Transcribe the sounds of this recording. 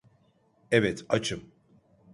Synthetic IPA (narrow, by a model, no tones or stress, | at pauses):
ɛvɛt̪ʰat͡ʃʰɨm